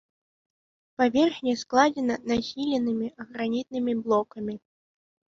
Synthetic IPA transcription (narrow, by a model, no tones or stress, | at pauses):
pavʲɛrxnʲɛsklˠad͡zʲɛnɐnasʲilʲɛnɨmʲiɐɣɾanʲit̪̚nɨmʲiblˠɔkɐmʲi